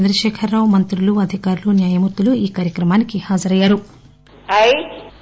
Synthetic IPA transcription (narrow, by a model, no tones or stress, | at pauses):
nd̪ɾɐʃɛːkʰɐɾːaːwmɐnt̪ɾuluɐd̪ʱikaːɾulunjaːjɐmuɾt̪ːuluiːkaːɾjɐkɾɐmaːnikihaːd͡ʒɐɾɐjːaːɾu | ɐj